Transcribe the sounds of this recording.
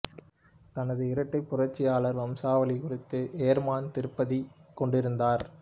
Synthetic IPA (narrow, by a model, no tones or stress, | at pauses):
t̪ɐnɐðɯɪɾɐʈːɐɪpːʊrɐʈt͡ʃːɪjaːɭɐɾʋɐmsaːʋɐlikɔrɪt̪ːɯʔeːɾmaːnt̪ɪɾɯpːɐðikɔɳɖɪɾɯnd̪aːɾ